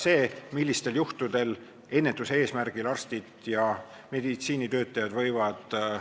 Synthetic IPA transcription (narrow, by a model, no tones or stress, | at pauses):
se̞ːmilːist̪e̞ljuht̪ud̪e̞l | e̞nːe̞t̪ːˑuse̞ːsmærɡ̥ilɑrst̪id̪̥jɑ | me̞d̪it̪siːnit̪ø̞ːt̪ːˑɑjɑd̪vɤ̞jvɑd̪̥